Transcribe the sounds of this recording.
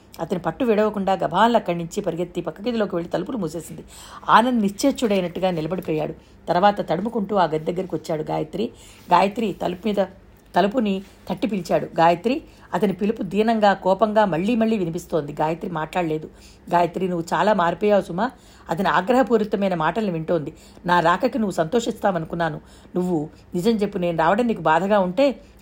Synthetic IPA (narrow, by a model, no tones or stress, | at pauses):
ɐt̪ɐnipɐʈːuʋiɽɐʋɐkuɳɖaːɡɐbʱaːnlɐkːɐɽniɲt͡ʃipɐɾiɡɐt̪ːipɐkːɐɡɐd̪ilo̞ːkiʋeɭːit̪ɐlɐpulumuːse̞ːsind̪i | a̰ːnɐnnit͡ʃeːt͡ʃuɽɐjnɐʈːuɡaːnilɐbɐɽipɔːja̰ːɽu | t̪ɐɾʋaːt̪ɐt̪ɐɽumukuɳʈuːaːɡɐt̪id̪ɐɡːɐɾikiʋɐt͡ʃːaːɽuɡa̰ːjɐt̪ɾi | ɡaːjɐt̪ɾit̪ɐlmiːd̪ɐ | t̪ɐlɐpuni | t̪ʰɐʈːipilt͡ʃaːɽuɡaːjɐt̪ɾi | ɐt̪ɐnipilupud̪iːnɐŋɡaːkɔːpɐŋɡaːmɐɭːiːmɐɭːiːʋinipist̪o̞ːnd̪iɡaːjɐt̪ɾimaːʈlaːɽɐle̞ːd̪u | ɡaːjɐt̪ɾinuʋːut͡ʃaːlaːmaːɾipɔːjaːusumːaː | ɐt̪ɐnia̰ːɡɾɐɦɐpuːɾit̪ːɐmɐjnɐmaːʈɐlɐniʋiɳʈo̞ːnd̪i | naːɾaːkʰɐkinuʋːusɐnt̪o̞ːʂist̪aːmɐnukunːaːnu | nuʋːu | nid͡ʒɐmt͡ʃe̞pːuneːnuɾaːʋɐɽɐnd̪ikubaːd̪ʱɐɡaːuɳʈe̞ː